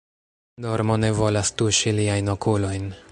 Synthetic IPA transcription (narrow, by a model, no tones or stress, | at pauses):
do̞ɾmo̞ne̞vo̞lastuʃiliajno̞kulo̞jn